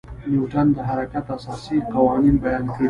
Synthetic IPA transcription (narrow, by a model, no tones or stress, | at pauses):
niwʈand̪əɦaɾakat̪asɑsiqawɑninbajɑnkɾ